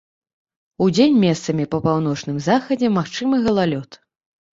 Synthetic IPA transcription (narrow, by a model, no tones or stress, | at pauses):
ud͡zʲenʲmʲɛst̪sɐmʲipɐpawnɔt͡ʂnɨmzaxɐd͡zʲɛmaxt͡ʂɨmɨɣɐlˠalʲɔt̪